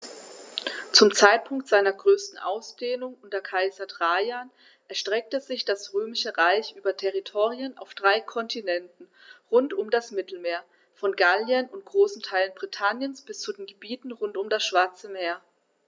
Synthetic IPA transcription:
t͡sʊmt͡saɪt̚pʰʊŋktz̥aɪnɐɡʁøːstn̩ʔa̰ʊsd̥eːnʊŋʔʊntɐkʰaɪzɐdʁaːjaːn | ʔɛɐʃtʁ̥ɛk̚təzɪçd̥asʁøːmɪʃəʁaɪçʔyːbɐtʰɛʁitʰoːʁiəna̰ʊfd̥ʁaɪkʰɔntʰinɛntn̩ | ʁʊntʊmdasmɪtl̩meːɐ | fɔnɡaljənʊnt̚ɡ̥ʁoːsn̩tʰaɪlənbʁitʰanjənsb̥ɪst͡sudeːnɡəbiːtn̩ʁʊntʊmdasʃv̥aɐt͡səmeːɐ

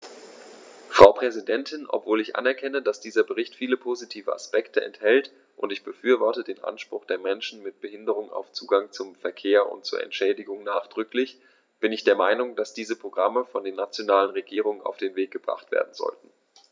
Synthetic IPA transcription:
fʁ̥aʊpʁ̥ɛzidɛntʰɪnʔɔ̰pv̥oːlɪçʔa̰nɛɐkʰɛnəd̥asd̥iːzɐbəʁɪçtfiːləpʰoːzitʰiːvəʔa̰spɛktəʔɛ̰nthɛlt | ʔʊntɪçb̥əfyːɐvɔɐtədeːnʔa̰nʃpʁ̥ʊχd̥eːɐmɛnʃn̩mɪt̚b̥əhɪndəʁ̞ʊŋa̰ʊft͡suːɡaŋt͡sʊmfɛɐkʰeːɐʔʊ̰ntt͡suːɐʔɛ̰ntʃɛːdɪɡʊŋnaːχd̥ʁʏklɪç | b̥ɪnɪçd̥eːɐmaɪnʊŋd̥asd̥iːzəpʁ̥oɡʁaməfɔndeːɐnat͡sjonaːlənʁeɡiːʁ̞ʊŋəna̰ʊfd̥eːnveːk̚ɡ̥əbʁa̰χtv̥ḛːɐdn̩zɔ̰ltn̩

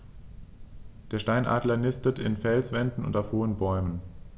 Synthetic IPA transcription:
d̥eːɐʃtaɪnʔa̰ːdlɐnɪstətɪnfɛlsv̥ɛndn̩ʊ̰ntaʊfhoːənbɔʏmən

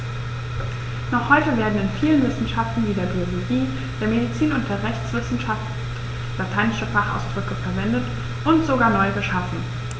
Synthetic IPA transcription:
nɔχhɔʏtəveːɐdn̩ɪnfiːlənvɪsn̩ʃaftn̩viːdeːɐbioloɡiː | d̥eːɐmedit͡siːnʊnt̚d̥eːɐʁɛçt͡sv̥ɪsn̩ʃaft | latʰaɪnɪʃəfaχa̰ʊsd̥ʁʏkəfɛɐvɛndət | ʔʊntz̥oɡaːɐnɔʏɡəʃafn̩

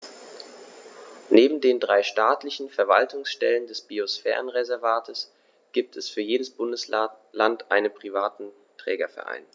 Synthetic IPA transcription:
neːbm̩deːndʁaɪʃtaːtlɪçn̩fɛɐva̰ltʰʊŋsʃtɛ̰ləndɛsb̥iosfɛ̰ːʁənʁezɛɐvaːtʰəs | ɡ̥iːp̚tʰɛsfyːɐjeːdəsb̥ʊndəs | lantʰʔaɪnənpʁ̥ivaːtn̩ | tʁ̥ɛ̰ːɡɐfɛ̰ɐʔa̰ɪn

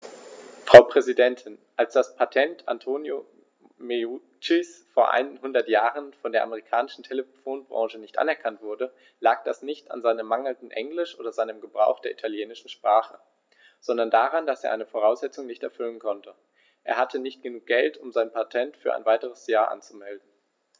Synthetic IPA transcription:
fʁ̥aʊpʁ̥ɛzidɛntʰɪnʔalsd̥aspʰatʰɛntʰʔa̰ntʰoːnjo | meu | t͡ʃisfoːɐʔa̰ɪnnhʊndɐtjaːʁənfɔndeːɐʔaməʁikʰaːnɪʃn̩tʰeləfoːnbʁɑ̰ŋʒənɪçtʔa̰nɛɐkʰantv̥ʊɐdə | laːk̚d̥asnɪçta̰nzaɪnəmaŋl̩ndn̩ʔɛŋlɪʃʔo̰ːdɐzaɪnəmɡəbʁaʊxd̥eːɐʔitʰaljeːnɪʃn̩ʃpʁ̥aːχə | z̥ɔndɐndaːʁandaseːɐʔaɪnəfoʁ̞aʊszɛt͡sʊŋnɪçtɛɐfʏlənkʰɔntʰə | ʔeːɐɦhatʰənɪçt̚ɡ̥ənuːk̚ɡ̥ɛltʊmzaɪnpʰatʰɛntfyːɐʔa̰ɪnvaɪtəʁ̞əsjaːɐʔa̰nt͡sumɛldn̩

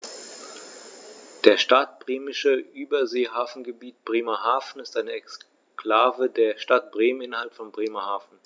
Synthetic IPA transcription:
d̥eːɐʃtat̚b̥ʁeːmɪʃəʔyːbɐzeːɦaːfn̩ɡəbiːtb̥ʁeːmɐɦaːfn̩ɪstʔaɪnəɛks | kl̥aːvədeːɐʃtat̚b̥ʁeːmənɪnɐhalpfɔnbʁeːmɐhaːfn̩

